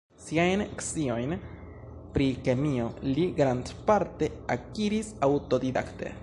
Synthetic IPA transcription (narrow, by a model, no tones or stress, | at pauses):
siajneksio̞jn | pɾikemio̞liɡɾand̪paɾte̞akiɾisawto̞did̪a̰kt̪e̞̰